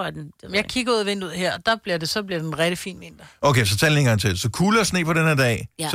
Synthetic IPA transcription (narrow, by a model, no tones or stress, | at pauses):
d̥mjɑ̈ɪkʰiɡ̥ɐuðˠɐʋen̰d̥uð̰ˠɦeɐ̰ɒd̥ɑ̈b̥liɐd̥e̝sɒ̽b̥liɐd̥enʁɛɾ̥əfḭːnʋe̝nd̥ɐoʊkʰesɒ̽t͡sʰɛːlnienɡɑ̈ŋt͡sʰeldsɒ̽kʰuːləɒsne̝̰ːpʰɒ̽ɾenheɐd̥ɛ̰ː